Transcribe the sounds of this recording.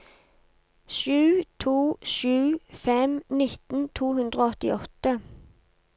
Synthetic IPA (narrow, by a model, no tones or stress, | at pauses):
ʃʉːt̪ʰuːʃʉːfɛmnɪt̪n̩t̪ʰuːhʉnd̪ʁoːɔt̪ɪ̰ʔɔt̪ə